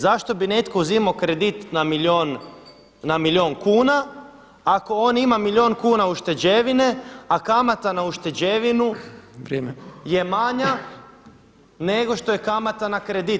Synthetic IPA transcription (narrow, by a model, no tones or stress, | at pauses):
zaʃt̪o̞bine̞t̪ko̞uzimakɾed̪it̪namilon | namilʲjo̞ːnkuːna | ako̞onimamiljo̞ːnkuːnauʃt̪e̞d͡ʒeʋineakamat̪anauʃt̪e̞d͡ʒeʋinu | je̞maɲa | ne̞ɡo̞ʃt̪o̞jekamat̪anakɾed̪it̪